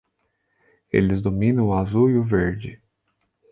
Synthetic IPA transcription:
ḛlɪzd̪omĩnɐ̃w̃ʊazuiʊveɾd͡ʒɪ

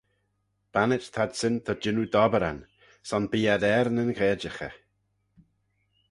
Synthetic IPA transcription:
b̥anɪt͡ʃt̪ʰad̪sɪnt̪ʰɔd͡ʒɪnud̪ɔbəɾa̰n | sɔnbiːad̪ɛɾnənkʰɛːd͡ʒəxə̰

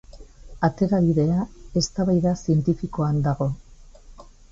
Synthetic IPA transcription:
at̪e̞ɾaβiðe̞ae̞st̪aβajðasie̞nt̪ifiko̞and̪aɣ̞o̞

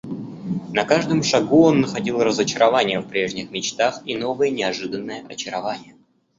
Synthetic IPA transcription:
nɐkaʐd̪əmʂɐɡuo̞nːəxɐdʲilˠrəzət͡ɕɪɾʔɐvanʲɪjəfpɾʲe̞ʐnʲɪxmʲɪt͡ɕt̪axino̞vəjənʲɪɐʐɨd̪ənːəjəʔɐt͡ɕɪɾɐvanʲɪjə

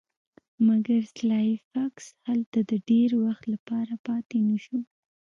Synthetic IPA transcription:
maɡaɾslɑfakshalt̪ad̪əɖeɾwaxt̪lapɑɾapɑt̪enəʃu

